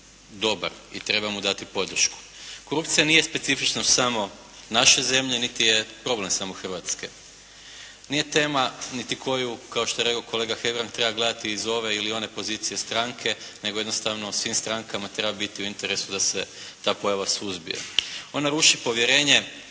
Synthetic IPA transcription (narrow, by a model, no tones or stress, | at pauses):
d̪o̞ba̰ɾḭt̪ɾe̞bamud̪at̪ipo̞d̪r̩ʃku̥ko̞ɾupt̪sijanije̞spe̞t̪sifit͡ʃnosamo̞ | naʃe̞ze̞mʎenit̪ije̞pɾo̞ble̞msamoxr̩ʋat̪ske̞̰ | nije̞t̪e̞ːmanit̪ikʰo̞jukaoʃt̪oeɾe̞kokʰo̞le̞ɡaxe̞ɡɾaŋkt̪ɾe̞baɡle̞d̪at̪iːzo̞ʋe̞ilio̞ne̞po̞zit̪sije̞st̪ɾaŋkʰe̞ne̞ɡojed̪nost̪aʋno̞sʋimst̪ɾaŋkamat̪ɾe̞babit̪iuint̪eɾe̞sud̪ase̞t̪aːpo̞jaʋasuzbḭja̰o̞naɾuʃipo̞ʋjeɾe̞ːɲe̞